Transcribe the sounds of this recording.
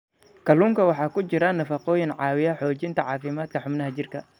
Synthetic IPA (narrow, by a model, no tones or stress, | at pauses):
kʰɐluːŋkʰɐwɑħɑːkʊt͡ʃɪɾɐnɐfɑqɔːjɪnʕɑːwɪjɐħɔːt͡ʃɪnt̪ʰɐʕɑːfɪmaːd̪kʰɐħʊmnɐɦɐt͡ʃɪrkʰɐ